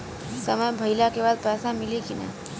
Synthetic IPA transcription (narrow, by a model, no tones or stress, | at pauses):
səməjbʱɐɪlakebaːd̪̚pɛːsamɪlikinɛ̰ː